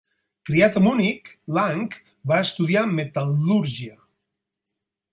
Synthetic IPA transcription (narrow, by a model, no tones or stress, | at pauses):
kɾiat̪amuniklaŋk | baest̪uð̞iamet̪aluɾʒia